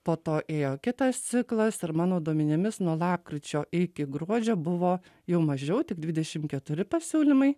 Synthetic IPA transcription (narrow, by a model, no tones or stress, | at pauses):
poːt̪oːʔeːjoːkʲɪt̪ɐst̪sʲɪklˠɐsɪɾmɑːnoːd̪uɔmʲɪnʲɪmʲɪsnuɔlˠɑːp̚kɾʲɪt͡ʃʲoːʔɪkʲɪɡɾuɔd͡ʒʲɛbʊʋoː | jɛʊmɐʒʲɛʊt̪ʲɪɡd̪ʲʋʲɪdʲɛʃʲɪmkʲɛt̪ʊɾʲɪpɐsʲuːlʲɪmɐɪ